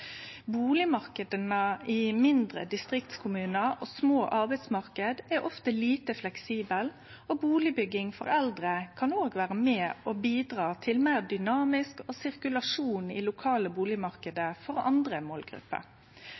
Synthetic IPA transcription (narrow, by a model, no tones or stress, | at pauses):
buːlɪmɑʁkəd̪ənəimɪnd̪ɾə̰d̪ɪst̪ʁɪkt̪skʰʊmʉːnəʔoːsmoːʔɑʁbɛɪd̪smɑʁkəd̪ɛɾʔɔft̪əliːt̪əflɛksiːbəl | obuːlɪbʏɡːɪŋfɔ̰ʁɛld̪ɾəkʰɑnoːɡʋæːɾəmɛːoːbiːd̪ɾɑːt̪ʰɪlmæːʁd̪ʏnɑːmɪskoːsɪʁkʉlɑʂuːnɪ̰lʊkʰɑːləbuːlɪmɑʁkəd̪əfɔʁɑ̰nd̪ɾəmoːlɡɾʉ̰pːə̰